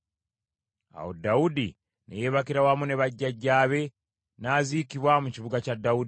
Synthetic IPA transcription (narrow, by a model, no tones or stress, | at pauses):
a̰wo̰daudḭ | nḛje̞ːβakiɾawamune̞βaɟːaɟːaːβe̞ | naːzikiβwamuciβuɡacadːaud